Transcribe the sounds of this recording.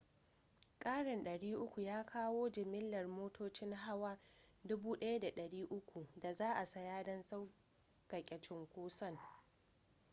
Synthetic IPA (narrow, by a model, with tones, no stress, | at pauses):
kʼaː˦ɽɪ˨nɗɐ˨ɽiː˦ʔʊ˦kʷu˨jaː˦kʰaː˦woː˦d͡ʒɪ˨mɪ˦lːɐ˨rmoː˦tʰoː˦t͡ʃɪ˦ŋɦa˦waː˦dʊ˦buː˦ɗɐ˦ja˦da˨ɗɐ˨ɽiː˦ʔʊ˦kʷu˨da˨zaː˦ʔa˨sa˦jaː˦dɐ˦nsa˦w | kɐ˨kʲʼɛ˨t͡ʃɪ˦ŋkʷoː˦sɐ˦ŋ